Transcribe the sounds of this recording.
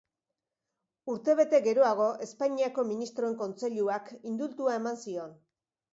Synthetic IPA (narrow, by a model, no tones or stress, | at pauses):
uɾt̪e̞β̞e̞t̪e̞ɣe̞ɾo̞aɣ̞o̞ʔe̞spaɲiako̞minist̪ɾo̞e̞ŋko̞nt͡se̞ʎuakind̪ult̪uae̞mansio̞n